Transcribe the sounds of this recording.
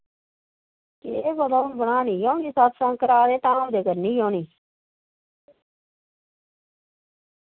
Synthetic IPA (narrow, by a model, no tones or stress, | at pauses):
keebəd̪aːʊnbəɽaːniːjoːnisaːt̪ʰsãːkəɾaːd̪eːt̪ãːũːd̪eːkəɾniːjõːniː